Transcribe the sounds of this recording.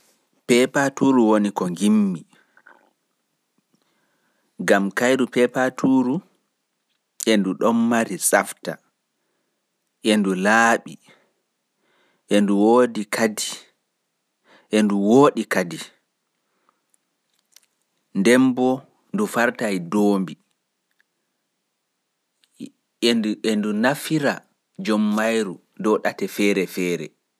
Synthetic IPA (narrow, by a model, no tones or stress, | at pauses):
pɛpatuːɾuwonikɔŋɡimːi | ɡamkajdupɛpatʰuːɾu | ʔɛnduɗɔmːaɾisʼafta̰ | ʔendulaːɓi | ʔɛnduwoːdikʰadi | ʔɛnduwoːɗikadi | ndɛmbɔ | ndufaɾtajdoːmbi | ɛndunafiɾa | d͡ʒɔmːajɾu | dɔɗatɛfɛːɾɛfɛːɾɛ̰